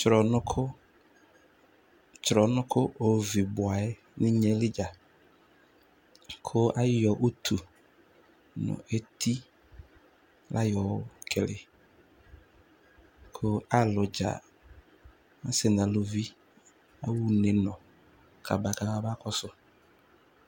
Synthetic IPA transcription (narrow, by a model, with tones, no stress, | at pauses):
t͡ʃɾɔ˨nʊ˦kʰʊ˦ | t͡ʃɾɔ˨nʊ̃˦kʰʊ˦ʔo˨vi˨bʊ˨a˨ɛ˦ | nɪ̃˦ɲɛ˨˦lɪ˦d͡ʒa˨ | kʰʊ˦a˦jɔ˨ʔʊ˦t̪ʰu˨ | nʊ̰˨ʔe˦t̪ʰi˦ | lʔa˦jɔ˨wʊ˦kʰɛ˨lɪ˨ | kʰʊ˦a˦lʊ˨d͡ʒa̰˨ | ã˦sɪ˨nã˨lo˨vi˦ | a̰˦wu˦nɛ˨nɔ̃˨ | kʰa˨ba˨ka˨ba˦ba˦kɔ˦sʊ˦